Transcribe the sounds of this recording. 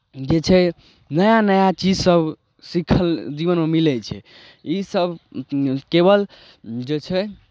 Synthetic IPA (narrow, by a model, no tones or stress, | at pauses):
d͡ʒet͡ʃʰɛ | nəjanəjat͡ʃid͡ʒsəb | sikʰəld͡ʒibənmemilɛt͡ʃʰɛ̰ | isəbʱ | kebəl | d͡ʒet͡ʃʰɛ